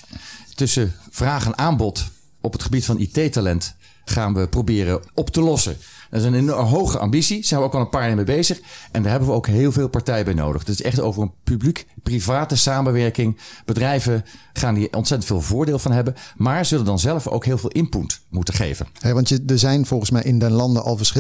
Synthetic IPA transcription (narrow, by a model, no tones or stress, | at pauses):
tɵsəv̥raːχənʔaːmbɔt | ɔpətχəbitfɑnʔḭtejtalɛnt | χaːnʋəprowbɪːrənʔɔptəlɔsə̰ndəɹɪsənenɔɦowχəʔa̰ːmbitsiz̥ɛjnʋəoʊwkɑlˠənpaːɹɪəmejbejzəχʔɛndaːɹɦɛbənʋəowkɦɪːlˠveːlˠpaɹtɛjəbɛjno̰wdəχdətɪsɛχto̰wvərənpyblikprivaːtəsaːmənʋɛɹkɪŋb̥ədrɛjvəχaːndiʔɔ̰ntsɛtəntfeːlˠvʊːɹdɪːlˠvɑnɦɛbənmaːɹzɵləndɑnzɛləfo̰wkɦɪːlˠvɪːlˠʔɪmputmutəχḛjvə̰nɦɛʋɑntədəzɛjnv̥ɔlˠχənsmɛjɪndɛnlɑndəʔɑ̰lˠvəɹs